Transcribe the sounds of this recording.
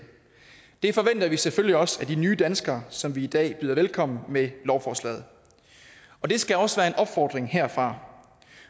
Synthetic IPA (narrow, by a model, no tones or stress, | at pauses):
d̥e̝fɒ̽ʋen̰d̥ɐʋiseføl̰jiɒ̽sæd̥inyːd̥ænsɡ̥ɐːsɒ̽mʋiːd̥ɛ̰ːb̥yːð̞ˠɐʋelkʰɒ̽m̰n̩melɒʊfɒːslɛ̰ːð̞̩ˠ | ɒ̽d̥e̝sɡ̥æɒ̽sʋæːɐe̝nʔɒ̽b̥fɒːd̥ʁeŋheɐ̰fʁɑ̈